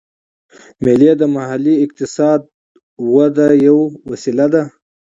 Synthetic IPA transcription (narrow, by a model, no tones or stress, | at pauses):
meled̪əmahaliɪq̚t̪ɪsɑd̪̚ | wad̪ajawwasilad̪a